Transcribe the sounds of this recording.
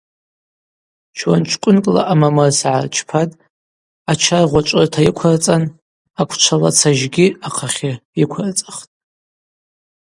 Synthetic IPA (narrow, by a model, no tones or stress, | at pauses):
t͡ʃʰwant͡ʃʷʰkʷʼʊnkʼla̰ʔamamarsʕart͡ʃʰpʰatʼ | at͡ʃʰarʁʷaʈ͡ʂʷʼɨrtʰajikʷʰart͡sʼan | akʷʰt͡ʃʷʰala̰t͡sʰaʒɡʲiaqʰaχʲaikʷʰart͡sʼɨχtʼ